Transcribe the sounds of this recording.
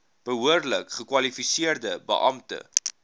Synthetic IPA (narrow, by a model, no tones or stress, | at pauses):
b̥əɦuərləkχəkwɐlifisiərdəbə̰ʔɐmtə̰